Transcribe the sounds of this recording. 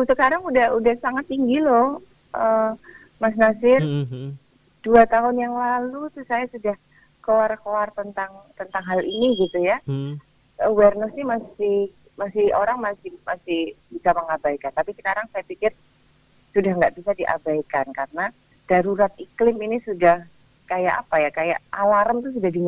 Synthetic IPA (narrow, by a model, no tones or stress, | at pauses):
usəkaɾaŋudahudahsaŋat̪ːiŋɡilɔh | ʔə | mas̬nasɪr | d̥uat̪aɦʊnjaŋlalut̪usajasudah | koarkoart̪ənt̪aŋt̪ənt̪aŋɦaliniɡit̪uja | əwɛrnəsnɪhmasɪh | masɪhoɾaŋmasɪhmasɪhbisaməŋabajkant̪apikinaɾaŋsajapikɪr | sudahŋɡaʔb̥isadiʔa̰bajkankarəna | d̥aɾuɾat̪̚iklɪminisudah | kajaʔapajakaja̰ʔawaɾənt̪ʊs̬udahdiɲ